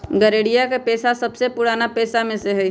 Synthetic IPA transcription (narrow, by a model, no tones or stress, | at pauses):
ɡɐɾeːɽijakapeːsasɐbsepʊɽaːnapɛːsamẽseɦɛ